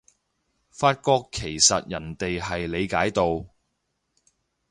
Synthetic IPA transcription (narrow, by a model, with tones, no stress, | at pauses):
faː˧t̚kɔː˧kʰːe˨˩jsɐ˨t̚jɐ˨˩nt̪e˨jɦɐ˨jle˨˧jkaː˨˥jt̪o˨˧w